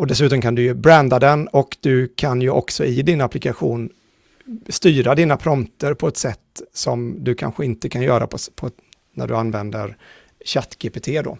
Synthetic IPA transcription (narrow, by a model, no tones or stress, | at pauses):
ɔd̪ɛsʉ̟ːt̪ɔmkʰand̪ɵjɵbɾɛnd̪ad̪ɛnɔkd̪ɵkʰanjɵʔɔ̰ksɔɪd̪ɪnaplɪkaɧuːn | st̪yːɾad̪iːnapʰɾɔmt̪əɾpʰɔɛt̪sɛt̪ːsɔmd̪ɵkʰa̰nɧəɪnt̪əkʰanjœːɾa̰pʰɔpʰɔ | næ̰ɖɵanːvɛnd̪ə̰ɾ | ɕat̪ːɡ̥epet̪ʰeːd̪o̰